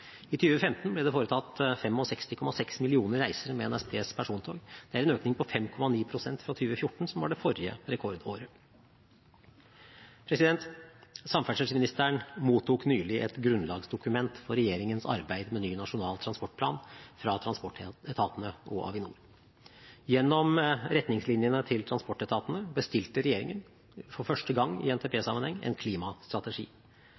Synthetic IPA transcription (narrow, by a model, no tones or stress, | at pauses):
ɪt̪ʰyːʋəfɛmt̪nblɛd̪ɛfoːɾət̪ʰɑt̪fɛmɔsɛkst̪ɪkʰɔmɑsɛksmɪlɪuːnəɾɾæɪsəɾmɛɛnæspʰeːspʰæʂuːnt̪ʰo̰ːɡd̪̥ɛæɾɛnøːknɪŋpʰɔfɛmkʰɔmɑniːpʰɾʊsɛnt̪fɾɑt̪ʰyːʋəfjʊʈːɳ̩sɔmʋɑɖɛfɔɾɪə̰ɾɛkʰɔɾd̪oːɾə | pʰɾɛsɪd̪ɛnt̪sɑmfæʂəsmɪnɪst̪æɳmuːt̪ʰːuːknyːlɪʔɛt̪ɡɾʉnlɑːɡsd̪ʊkʉmɛnt̪fɔɾɛjeːɾɪŋənsɑ̰ɾbæɪd̪mɛnyːnɑʂʊnɑːlt̪ʰɾɑnspɔʈ̚pʰlɑ̰ːnfɾɑt̪ʰɾɑnspɔʈɛt̪ʰɑːt̪ənəʔɔ̰ʔɑ̰ʋɪnṵːɾ | jɛnːɔmɾɛt̪nɪŋslɪnjənət̪ʰɪlt̪ʰɾɑnspɔʈːɛt̪ʰɑːt̪ənəbəst̪ɪlt̪əɾɛjeːɾɪ̰ŋən | fɔɾfœʂʈəɡɑŋːɪ̰ɛnt̪ʰeːpʰeːsɑmːənhɛŋːɛ̰nkʰliːmɑst̪ɾɑt̪əʂḭː